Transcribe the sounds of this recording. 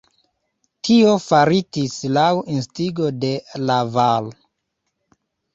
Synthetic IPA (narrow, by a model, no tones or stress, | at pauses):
tʰiofaɾitislawʔinstiɡo̞de̞laval